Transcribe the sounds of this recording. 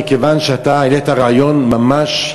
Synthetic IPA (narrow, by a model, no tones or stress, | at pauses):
ikevanʃeat̪aanet̪aʁeajo̞nmamaʃ